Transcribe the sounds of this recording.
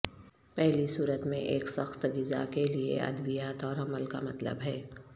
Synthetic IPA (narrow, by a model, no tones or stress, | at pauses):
pɛɦlisuːɾət̪mḛ̃ʔeːksɐxt̪ɡɪza̰keliḛɐ̰d̪ʋijaːt̪ɔːɾɐməlka̰mɐt̪lə̰bɦɛː